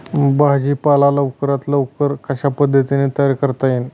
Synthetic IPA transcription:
baɦd͡ʑiːpalaləʋkəɾat̪ləʋkəɾkəɕapəd̪ʱːət̪inet̪əjaɾkəɾt̪ajen

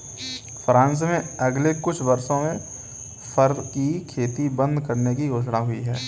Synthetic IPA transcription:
fʰɾãːns̬mẽɐɡlekʊt͡ʃʰʋɐɾsõmẽ | fɐɾd̪kikʰeːt̪ibə̃nd̪kɐɾnekioːd͡ʒɽaɦʊiɦɛː

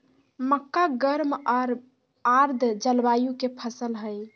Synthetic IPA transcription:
məkːaɡəɾmɔɾ | aɾd̪ʱd͡ʒəlbajukepʰəsəlɦəj

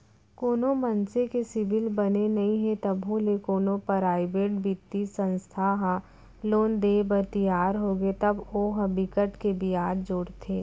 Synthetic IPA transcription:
koːnomɐnsekesɪʋɪlbɐnenɐɦĩɦẽt̪ɐbɦõlekoːnopəɾaːɪbeːʈbɪt̪ːisə̃nst̪ʰaɦã | loːnd̪eːbəɾt̪ijaːɾɦoːɡet̪ɐboːɦɐbɪkəʈkebʱiaːd̪d͡ʒoːɽt̪ʰeː

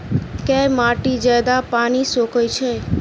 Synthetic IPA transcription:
kɛmaʈid͡ʒəd̪apanisokʰojt͡ʃʰe

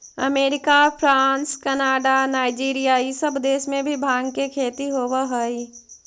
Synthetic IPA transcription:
ə̰meːɾɪkapʰɾaːnskənaːɖanaːɪd͡ʒiːɾijaisəbd̪eːʃmẽbʱibʱaːɡkekʰeːt̪iɦoːʋaɦəi

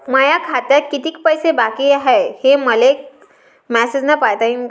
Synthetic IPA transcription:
məjakʰat̪jakit̪iːkpəjsebakiːaɦeheməlek̚ | mæsed͡znapajt̪aimk

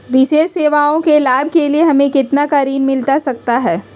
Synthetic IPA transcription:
ʋɪʃeːʃseːʋaõkelaːb̚ʱkelieɦɐmẽkɪt̪nakaɾiːnmɪlt̪asɐk̚t̪aɦɛː

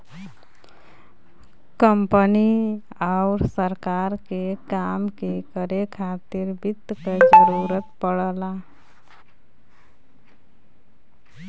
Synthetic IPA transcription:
kəmpəni | aʊɾsəɾkaɾkekamkekəɾekʰat̪iɾbit̪ːked͡ʒəɾuɾət̪pəɽla

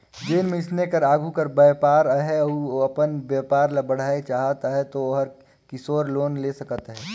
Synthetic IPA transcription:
d͡ʒeːnmẽɪsnekəɾaːɡʱukɐɾbəjpaːɾɦɛuoɐpənbjaːpaːɾlɐbəɽ̤aːet͡ʃaːɦət̪aɦɛt̪ooɦəɾ | kɪsoːɾloːnleːsɐkət̪ɦɛː

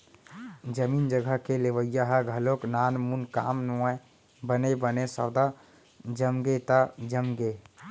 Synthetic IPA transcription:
d͡ʒəmind͡ʒəɡʱəɦkeleʋəjːaɦəɡʱəloknanmunkamnuae | bənebənesəwd̪a | d͡ʒəmɡet̪əd͡ʒəmɡe

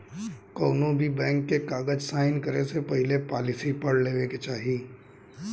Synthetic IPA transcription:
koːnõbʱibɛ̃ːŋkːekaːɡəd͡ʒsaːɪnkəɾesepɐɦɪlepaːlɪsipɐɽleːʋeket͡ʃaːɦiː

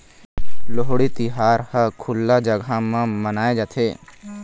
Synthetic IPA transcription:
loɦoɽit̪ɪɦaːɾhəkʰʊlːad͡ʒəɡʱamãmənaːed͡ʒat̪ʰeː

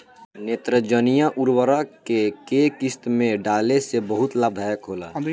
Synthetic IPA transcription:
neːt̪ɾəd͡ʒənijaʔuɾwəɾakekekɪst̪mẽɖaːlesebəɦʊt̪laːb̚d̪ʱaːjəkɦoːla̰ː

